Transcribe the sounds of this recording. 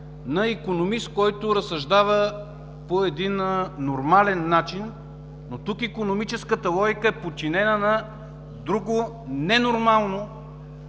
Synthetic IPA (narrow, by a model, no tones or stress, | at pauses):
nɐikonomist̪̚kɔjt̪ʊɾɐsɐʒd̪avə | poɛd̪inːoɾmalɛnːat͡ʃinː | ot̪ukikonomit͡ʃɛskət̪əlˠɔɡʲikəɛpott͡ʃinɛnənɐ | d̪ɾuɡo | nɛnoɾmalˠno